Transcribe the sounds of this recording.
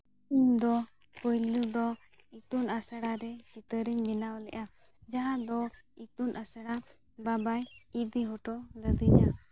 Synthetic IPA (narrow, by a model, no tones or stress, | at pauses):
iɲd̪ɔ | kɔjlid̪ɔ | it̪unasaɽaɾɛt͡ʃit̪əɾiɲbinawlɛʔa | d͡ʒaɦad̪ɔit̪unʔasaɽa | babajit̚d̪iɦɔʈɔləd̪iɲa